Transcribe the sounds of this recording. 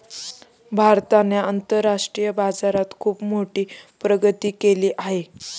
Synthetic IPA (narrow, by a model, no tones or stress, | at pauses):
bʱaɾt̪aneənt̪əɾaʂʈɾijəbad͡zaɾat̪kʰuːpmoʈiːpɾəɡət̪iːkeliːʔaɦe